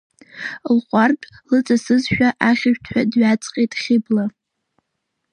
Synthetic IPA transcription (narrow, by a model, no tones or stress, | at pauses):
lχʷʼarpʼlɨt͡sʼasɨzʃᶣaʔaχʲɪʒᶣtʰħʷᶣadɥat͡sʼqʼejtʼχʲɪbla